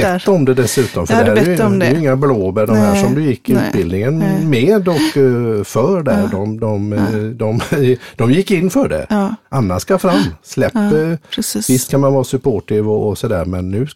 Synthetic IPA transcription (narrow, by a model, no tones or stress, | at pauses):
ɛtːɔmd̪ɛd̪ɛsʉ̟ːt̪ɔmfœæɾjɛɛjɪŋːabloːbəɖɔmɛʂɔmd̪ɵjɪkːɪʉ̟ːt̪̚bɪld̪nɪŋənmeːd̪ɔkːfœːɾɖæɾdɔmd̪ɔmd̪ɔmd̪̥ɔmjɪkːɪnːfœɖɛ̰ʔanːaʂkafɾamːslɛpː | vɪst̪kʰanmanvɑːɾsɵpʰoːʈɪvɔːsɔd̪æ̰ːɾmɛnːʉ̟ː